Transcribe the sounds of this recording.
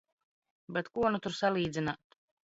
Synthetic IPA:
bet̪kuɔnut̪uɾsalˠiːd̪zʲinaːt̪

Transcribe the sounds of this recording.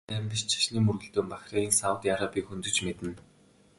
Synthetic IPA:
æːmpʲiʃt͡ɕʰḁʃniːmɵrɣɘ̆ɮt̪oːmpaxʲrʲaːɣiːnsawt̪jaɾɔpʲiːxɵnt̪ɵ̆t͡ɕmet̪ɘ̆n

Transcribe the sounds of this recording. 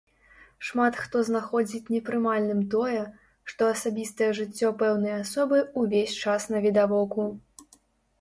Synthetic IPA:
ʂmat̪xt̪ɔznaxɔd͡zʲit͡sʲnʲɛpɾɨmalʲnɨmt̪ɔjɛ | ʂt̪ɔɐsabʲist̪ɐjɛʐɨt͡sʲːɔpɛwnɨjɐasɔbɨuvʲesʲt͡ʂasnɐvʲid̪avɔku

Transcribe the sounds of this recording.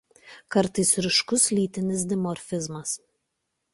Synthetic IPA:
kɐɾt̪ɐɪsɾʲɪʃkʊslʲiːt̪ʲɪnʲɪs̬d̪ʲɪmɔɾʲfʲɪzmɐs

